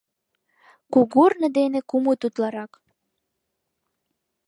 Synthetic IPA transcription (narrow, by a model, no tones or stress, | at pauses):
kuɣurnə̆d̪enekumut̪ut̪lɑɾɑk